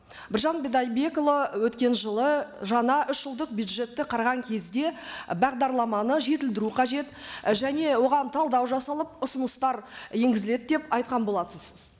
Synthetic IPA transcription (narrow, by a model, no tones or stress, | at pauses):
bɪɾʒɑnbed̪ɑjbe̞kolˠowɵt̪kʲe̞nʒəlˠəʒɑɴɑʔʏʃʒ̥əlˠd̪əq̚bjud̪ʒe̞t̪ːɪqʰɑɾʁɑŋkʲʰe̞zd̪e̞bɑʁd̪ɑɾlˠɑmɑnəʒe̞t̪ɪld̪ɪɾuqʰɑʒe̞t̪ʒæne̞wo̞ʁɑnt̪ʰɑlˠd̪ɑwʒɑsɑlˠəp̚ʊsənəst̪ɑɾje̞ŋɡʲɪzɪle̞d̪̚d̪e̞pɑjt̪̚qɑnbo̞lˠɑt̪əsəz̥